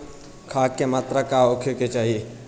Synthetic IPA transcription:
kʰaːkemaːt̪ɾəkaokʰjoket͡ʃaːɦie

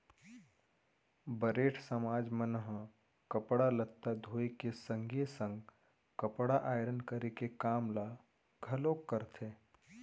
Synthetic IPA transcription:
bəɾeːʈʰsəmaːd͡ʒmənɦ | kəpɽalət̪ːad̪ʱoːekesə̃ŋɡesə̃ŋɡ | kəpɽaʔaːɪɾənkəɾekekaːmla | ɡʱɐloːkːəɾt̪ʰeː

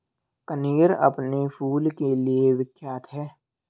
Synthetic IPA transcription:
kəniːɾɐ̰pnepʰuːlkelieʋɪkʰjaːt̪ɦɛː

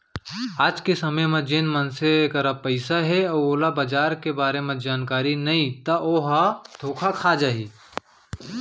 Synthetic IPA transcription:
aːd͡ʒkesɐməjmẽd͡ʒeːnmənsekɐɾapəɪsaɦɛɔːɾoːlabəd͡ʒaːɾkebaːɾemẽd͡ʒaːnkaːɾinɐĩt̪ɐʔoːɦad̪ʱoːkʰakʰad͡ʒaːɦiː

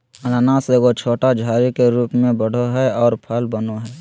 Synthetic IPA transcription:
ɐnanaseɡot͡ʃʰoːʈad͡ʒʱaːɾikeɾuːpmẽbəɽ̤oɦɛɔːɾpʰəlbənoɦɛː

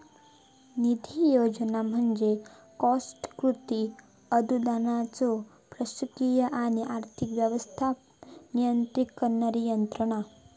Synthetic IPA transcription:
nid̪ʱijod͡ʒənam̤ənd͡ʒe | kɔsʈkɾut̪i | əd̪ʱud̪anat͡so | pɾəsukijəʔaniʔaɾt̪ʰikʋjəʋəst̪ʰa | nijənt̪ɾikːəɾnəɾijənt̪ɾəɽ̃a

